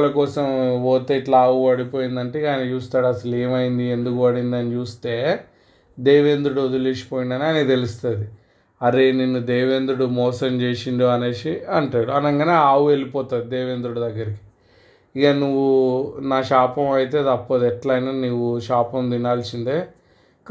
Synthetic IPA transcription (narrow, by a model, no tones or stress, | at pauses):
lɐkɔːsɐmoːt̪eiʈlɐaːʋuʋɐɽipoːjind̪ɐɳʈeːaːjnɐt͡ʃuːst̪aːɽɐsɐleːmɐjind̪ie̞nd̪ukuʋɐɽind̪ɐnit͡ʃuːst̪e̞ː | d̪eːʋeːnd̪ɾuɽuod̪uliːsi̥poːjind̪ɐniaːnet̪elust̪ɐd̪i | ɐɾe̞ːninːud̪ɛːʋend̪ɾuɽumɔːsɐmt͡ʃeːsiɳɖoɐneːʃiɐɳʈaːɽuɐnɐŋɡaneaːʋue̞lipɔːt̪aːd̪id̪ɛːʋeːnd̪ɾuɽud̪ɐɡːɐɾiki̥ | iɡɐnuʋːunaːʃaːpɐmɐjit̪e̞ːt̪ɐpːod̪ɛʈlɐjnaːnuʋːuʃaːpɐmd̪inaːlsint̪e̞ː